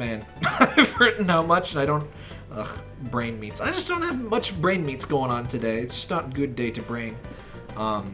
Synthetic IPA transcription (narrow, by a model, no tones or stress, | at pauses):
mæ̃n | aɪv̥ɜ˞ʔn̩haʊmʌt͡ʃɨ̃naɪɾõʊ̃nt̚ | ʔʌx | bɹẽɪ̃nmitsaɪd͡ʒʌsd̥õʊ̃nthɨvmʌt͡ʃbɹẽɪ̃nmitsɡ̥oʊɪ̃ŋə̃ntʰɨdeɪɨtsd̥ʒ̥ʌ̥snətɡʊdeɪɾɨbɹẽɪ̃n | ʔʌ̃m